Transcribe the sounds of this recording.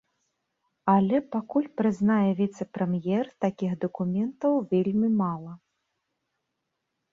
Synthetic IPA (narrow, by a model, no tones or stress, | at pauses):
ɐlʲɛpakulʲpɾɨznajɛvʲit̪sɛpɾɛmjɛrt̪akʲixd̪ɐkumʲɛnt̪ɐwvʲelʲmʲimalˠɐ